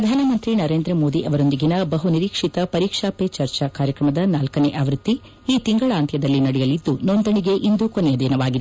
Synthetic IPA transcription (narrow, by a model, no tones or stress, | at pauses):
ɾɐd̪ʱaːnɐmɐnt̪ɾinɐɾe̞ːnd̪ɾɐmo̞ːd̪iʔɐʋɐɾond̪iɡinɐbɐɦuniɾiːkʂit̪ɐpɐɾiːkʂaːpet͡ʃɐɾt͡ʃɐkaːɾjɐkɾɐmɐd̪ɐnaːlkɐneʔaːʋɾut̪ːi | iːt̪iŋɡɐɭaːnt̪ʰjɐd̪ɐlːinɐɽɛjɐlid̪ːunond̪ɐɳiɡe̞ʔind̪ukonɛjɐd̪iːnɐʋaːɡid̪